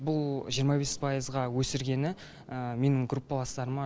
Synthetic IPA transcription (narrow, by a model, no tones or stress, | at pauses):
bʊlˠʒijəɾmɑbe̞spʰɑjəzʁɑwɵsɪɾɡʲe̞nɪ | əme̞nɪŋɡɾupːɑlˠɑst̪ɑɾəmɑ